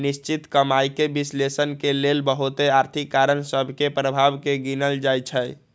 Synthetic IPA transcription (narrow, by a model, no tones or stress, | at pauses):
nist͡ʃit̪kəmajkebislesənkelelbəɦut̪eaɾt̪ʰikːaɾənsəbʱkepɾəbʱabkeɡinəld͡ʒajt͡ʃʰəj